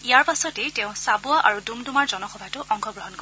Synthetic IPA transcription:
ijaɹpasɔtɛteʊ̃ssabʊaʔaɹudumdumaɹzɔnɔxɔbʱajtʊʔɔŋkʰɔɡɹɔɦɔnkɔ

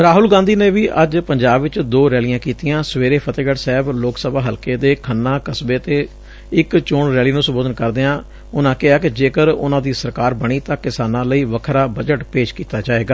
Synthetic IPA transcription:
ɾaːɦʊlɡãːnd̪iːneːʋiːʔəd͡ʒpəɲd͡ʒaːbʋɪt͡ʃd̪oːɾɛːlijãːkiːt̪ijãːsəʋeːɾeːpʰət̪eːɡəʈsɛːbloːksəbaːɦəlkeːd̪eːkʰənːãːkəsbeːt̪eː | ɪkt͡ʃʊːɳɾɛːliːnũːsəboːd̪ənkəɾd̪eːãː | ʊnãːkɪɦaːkɪd͡ʒeːkəɾʊ̰nãːd̪iːsəɾkaːɾbəɽ̃iːt̪ãːkɪsaːnãːləiːʋəkʰɾaːbəd͡ʒəʈpeːʃkiːt̪aːd͡ʒaːeːɡaː

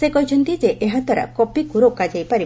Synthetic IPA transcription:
sekɔɦjt͡ʃʰɔnt̪id͡ʒeʔeɦad̪ʱwaɾa̰kɔpikuɾokad͡ʒajpaɾi

